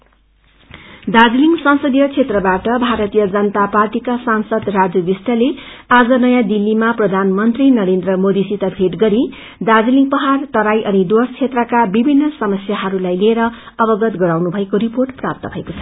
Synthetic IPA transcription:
d̪ad͡ziliŋɡsʌnsʌd̪ijʌt͡sʰet̪rʌbaʈʌbʱaɾʌt̪ijʌd͡zʌnʌt̪aparʈikasansʌd̪rad͡zʌbisʈ̪ʌle | ad͡zʌnʌjãd̪ilːimaprʌd̪ʱanmʌnt̪rinʌɾend̪rʌmod̪isit̪ʌbʱeʈɡʌɾi | d̪ad͡ziliŋɡpʌɦart̪ʌɾajʔʌnid̪ost͡sʰet̪rʌkabibʱinːʌsʌmʌsjaɦʌɾulajlieɾʌ | ʌbʌɡʌt̪ɡʌɾawnubʱʌekoɾiporʈprap̚t̪ʌbʱʌekot͡sʰʌ̥

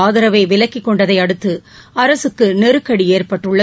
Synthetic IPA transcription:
aːðɪɾɐʋeːʋɪlɐkːɪkːɔɳɖɐðɐɪɐɽɯt̪ːɯ | ɐɾɐsɯkːɯnɛɾɯkːɐɽieːrpɐʈːɯɭːɐ

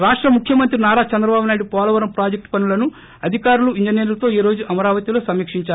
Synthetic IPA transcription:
ɾaːʂʈɾɐmukʰːjɐmɐnt̪ɾinaːɾaːt͡ʃɐnd̪ɾɐbaːbunaːjiɽupɔːlɐʋɐɾɐmpɾaːd͡ʒek̚ʈpɐnulɐnu | ɐd̪ʱikaːɾuluiɲd͡ʒɐneːɾt̪o̞ːiːɾoːd͡ʒuʔɐmɐɾaːʋɐt̪ilo̞ːsɐmiːkʂiɲt͡ʃaːu

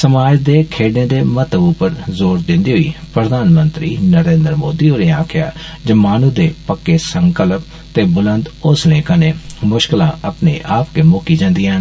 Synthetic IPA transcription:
səmaːd͡ʒd̪eːkʰeːɖẽːd̪eːmət̪əʋupəɾzoːɾd̪ɪnd̪iːɦʊḭːpɾəd̪aːnmə̃nt̪ɾiːnəɾẽːnd̪ɾmoːd̪iːoːɾeːaːkʰɪja̰ːd͡ʒəmaːnũːd̪eːpəkːeːsəŋkəlp̚ | t̪eːbʊlənd̪ʊslẽːkãːneːmʊʃkɪlã̰ːəpnḛːʔaːpkeːmʊkiːd͡ʒãːnd̪iːaːn

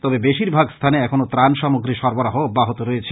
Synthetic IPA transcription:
t̪ɔbebeʃiɾbʱaɡst̪ʰaneɛkʰonot̪ɾanʃɔmuɡɾiʃɔɾboɾaɦoobːaɦot̪oɾɔjet͡ɕʰe̥

